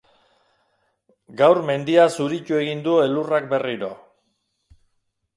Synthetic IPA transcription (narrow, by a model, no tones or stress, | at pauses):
ɡawɾme̞nd̪iasuɾicue̞ɣind̪ue̞lurakbe̞riɾo̞̰